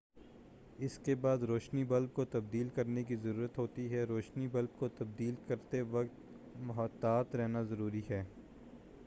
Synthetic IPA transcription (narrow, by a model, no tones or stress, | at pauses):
ɪskebaːd̪ɾoːʃnibɐlb̚kot̪ɐb̚d̪iːlkɐɾnekizɐɾuːɾət̪ɦoːt̪iɦɛɾoːʃnibɐlb̚kot̪ɐb̚d̪iːlkɐɾt̪eʋɐkt̪ | mʊɦət̪ːaːt̪ɾɛɦnazɐɾuːɾiɦɛː